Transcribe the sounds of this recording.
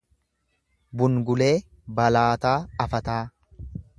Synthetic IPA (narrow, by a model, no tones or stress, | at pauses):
bʊŋɡʊle̞ː | bɐlaːt̪aːɐfɐt̪aː